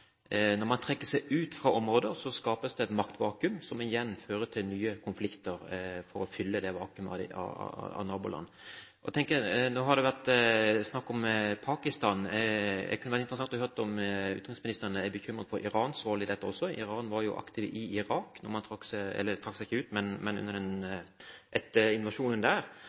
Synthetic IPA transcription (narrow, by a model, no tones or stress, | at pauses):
nɔɾmɑnt̪ʰɾɛkːəsɛɪʉːt̪fɾɑːʔɔmɾoːd̪əɾsɔskɑːpəsd̪ɛɛt̪mɑkt̪ʋɑːkʉmsɔmɪjɛnːføːɾət̪ʰɪlnyːəkʰʊnflɪkt̪əɾfɔɾɔfʏlːəd̪ɛʋɑ̰ːkʉməɑ̰ɑ̰ɑ̰nɑːbʊlɑ̰nː | ʔɔt̪ʰɛŋkənoːɦɑɾd̪ɛʋæʁt̪snɑkːɔmpʰɑːkɪst̪ɑːnd̪ɛ̰kʰʉnʋæɾt̪ɪnt̪ɾəsɑŋt̪ɔhøɾt̪ɔmʉ̰ːt̪nmɪsmɪnɪst̪əɾnəæbəçʏmɾəd̪fɔɾʔɪɾɑːnsɾoːlɪd̪ɛt̪ːəɔsːɔɪ̰ʁɑːnʋɑɾjʊ̰ʔɑ̰kt̪ɪʋɪɪɾɑːknɔmɑnt̪ʰɾɑkːsɛ̰lːət̪ʰɾɑksɛɪçːəʉːt̪mɛnmɛnʉ̰nːəɾd̪ɛn | ʔɛt̪ːəɪnʊʋɑʂuːnənd̪æːɾ